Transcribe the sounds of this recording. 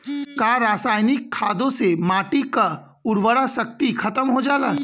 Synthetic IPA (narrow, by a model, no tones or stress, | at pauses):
kaːɾaːsaːɪnɪkʰːaːd̪õsemaːʈika | ʊɾʋəɽasɐk̚t̪ikʰɐt̪əmɦod͡ʒaːlaː